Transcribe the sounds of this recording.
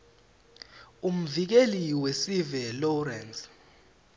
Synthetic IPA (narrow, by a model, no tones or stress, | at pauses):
um̩vik̬eliwesivɛlɔrɛns